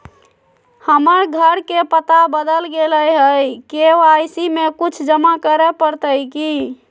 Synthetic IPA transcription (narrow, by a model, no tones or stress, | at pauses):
həməɾɡʱəɾkepət̪abəd̪əlɡeləjɦəjkeoajsimekut͡ʃʰd͡ʒəmakəɾɛpəɾt̪əjki